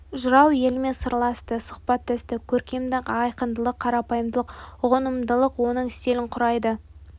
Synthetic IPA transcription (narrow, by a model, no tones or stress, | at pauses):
ʒʊɾɑwje̞lme̞nsəɾlˠɑst̪əsʊ̥χpɑt̪ːɪst̪ɪkʲʰɵɾkʲe̞md̪ɪqɑjqənd̪əlˠəqʰːɑɾɑpɑjəmd̪əlˠəqʊʁənəmd̪əlˠəqwo̞nəɴɪst̪e̞lɪɴqʰʊɾɑjd̪ə